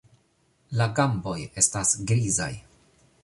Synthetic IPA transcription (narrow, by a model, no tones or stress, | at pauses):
laɡambo̞je̞stasɡɾiza̰j